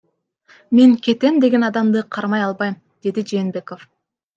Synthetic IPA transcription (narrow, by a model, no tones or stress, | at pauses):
meŋkʲe̞t̪e̞md̪e̞ɡenɑd̪ɑmd̪ɯqʰɑɾmɑjɑlˠbɑjm | d̪̥e̞d̪id͡ʒeːnbe̞ko̞f